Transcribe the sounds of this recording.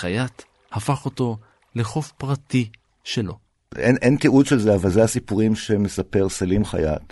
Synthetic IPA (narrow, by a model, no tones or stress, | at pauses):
χajat | hafaχo̞to̞ | leχo̞fpʁati | ʃe̞lo̞ | ḛnʔentiudʃelzeavalzehasipuʁimʃeme̞sape̞ʁsalimχa̰ja̰t